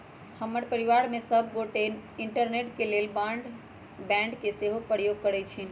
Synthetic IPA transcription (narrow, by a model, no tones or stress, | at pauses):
həmːəɾpəɾiʋaɾmesəbʱɡoʈeniɳʈəɾneʈkelelbãɳɖ | bɛ̃ɳɖkeseɦopəɾjoɡ̚kəɾɛt͡ʃʰin